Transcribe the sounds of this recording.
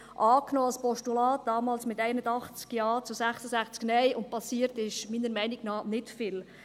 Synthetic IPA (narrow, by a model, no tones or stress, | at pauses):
ʔɑːknɔːɑlspɔʃtulɑːt̚d̥ɑːmɑːlsmɪt̪ɛɪnədɑχt͡skjɑːt͡susæχsəsæχt͡sknɛjʊnt̚pɑsiːəɾtɪʃmiːnəɾmɛɪnɪɡnɑːnɪtfɪl